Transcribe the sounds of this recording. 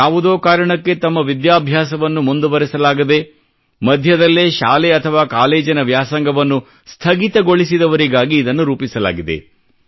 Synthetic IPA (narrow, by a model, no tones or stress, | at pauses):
jaːʋud̪oːkaːɾɐɳɐkːe̞t̪ɐmːɐʋid̪jaːbʱjaːsɐʋɐnːumund̪uʋɐɾɛsɐlaːɡid̪e̞ | mɐd̪ʱjɐd̪ɐlːeːʃaːleɐt̪ʰɐʋaːkaːleːd͡ʒɐnɐʋjaːsɐŋɡɐʋɐnːu | st̪ʰɐɡit̪ɐɡo̞ɭisid̪ɐʋɐɾiɡaːɡiːd̪ɐnːuɾuːpisɐla̰ːɡid̪e̞̰